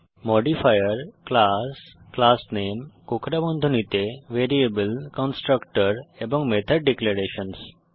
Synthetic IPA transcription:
moɖifajəɾklas | klasnemkokʰɾabɔnd̪ʱunit̪eʋeɾiebəlkɔnsʈɾəkʈəɾebɔ̃ŋɡmet̪ʰəɖ̚ːɖekleɾeɕəns

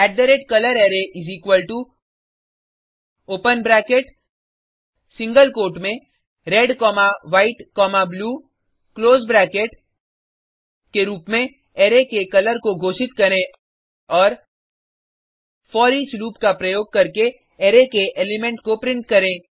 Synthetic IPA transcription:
ɛːɖːəɾeːʈkɐləɾeːɾeʔɪziːkwəlʈu | oːpənbɾɛːkeʈ | sɪ̃ŋɡəlkoːʈmẽ | ɾɛɖkɔːmaʋaːɪʈkɔːmabluː | kloːzbɾɛːkeʈ | keɾuːpmẽ | eːɾekekɐləɾkoɡʱoːʃɪt̪kɐɾẽ | ɔːɾ | fɔːɾiːt͡ʃɾuːpkapɾɐjoːɡ̚kɐɾke | eːɾekeʔeːlɪmẽɳʈkopɾɪ̃ɳʈ̚kɐɾẽː

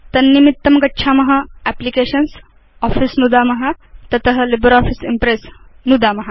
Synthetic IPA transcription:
t̪ɐnːimit̪ːɐmkɐʈːɕʰamɐɦaæplikeɕəns | ɔfisnud̪amɐɦat̪ɐt̪əɦəlibəɾɔfisimpɾesnud̪amɐɦa

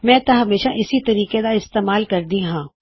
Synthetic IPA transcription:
mɛ̃ːt̪ɐɦɐmeːʃaʔɪsit̪ɐɾiːked̪aɪst̪eːmaːlkɐɾd̪iɦãː

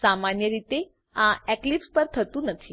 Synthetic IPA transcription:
samanjəɾit̪e | ãɛklipspəɾt̪ʰət̪ũnət̪ʰi

